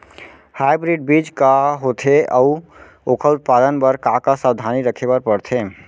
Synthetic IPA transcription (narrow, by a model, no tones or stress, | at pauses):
hajbɾiɖ̚bid͡ʒkaɦot̪ʰeəu | okʰəut̪̚pad̪ənbəɾkakasəbd̪ʱaniɾəkʰebaɾpəɾt̪ʰe